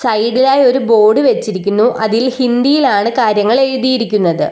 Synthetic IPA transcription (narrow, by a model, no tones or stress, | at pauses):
sɐjɖilaːjo̞ɾubo̞ːɖɨʋe̞t͡ɕːiɾikʲːunːuʔɐðilhind̪ijilaːɳɨkaːɾjɐŋːɐɭe̞ɻuðijiɾikʲːunːɐðɨ